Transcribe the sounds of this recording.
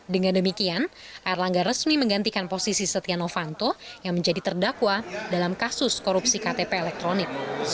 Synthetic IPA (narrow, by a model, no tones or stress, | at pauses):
dəŋandəmikianʔarlaŋɡarɾəsmiməŋɡant̪ikanposisisət̪ianofant̪ojaŋməɲd͡ʒadit̪ərdakwadalamkasʊskoɾupsikat̪epeːlɛk̚t̪ɾonɪk̚